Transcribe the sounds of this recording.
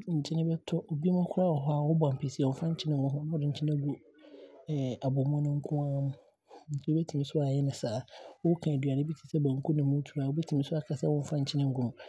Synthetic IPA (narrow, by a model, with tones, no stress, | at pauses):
ɲ̩˨t͡ɕʰɪ̃˦nɪ̃˦bɛ˦tʰɔ˦ʔo˨bi˦mʊ̃˦kʰʊ˦ɾa˦˨ɔ˨ɦɔ˦a˨wɔ˦bɔ̃˨m̩˨pʰe˨si˨ɔ̃˨˦fã˦ɲ˦t͡ɕʰɪ̃˦nɪ̃˦mʊ̃˦ɦɔ̃˦nã˦ɔ˨dɪ̃˨ɲ̩˨t͡ɕʰĩ˦nã˦ɡu˨ | a˨bɔ˨mũ˦nʊ̃˦ŋ̩˦kʰʊ̃˦ã˦mʊ̃˦ | n̩˦tʰi˦wo˦bɛ˦tʰi˨ĩ˦sʊ˦a˨jɛ˦nɪ̃˨saː˨wʊ˦kʰã˨dɥa˨nɪ̃˦bi˦tʰi̥˨sɛ˦bã˨ŋ˨kʰu˦nɪ̃˨mʊ̃˦tʰu˨ɾaː˨wo˦bɛ˦tʰĩ˨mĩ˦sʊ˦a˨kʰa˦sɛ˦wɔ̃˦ɱ̩˦fã˦ɲ̩˨t͡ɕʰɪ̃˦nɪ̃˦ŋ̩˦ɡʊ̃˦mʊ̃˨